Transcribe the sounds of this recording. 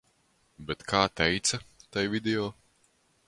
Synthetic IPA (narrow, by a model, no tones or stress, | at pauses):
bɛt̪kʰaːt̪ɛjt̪sɐt̪ajvid̪ʲeɔː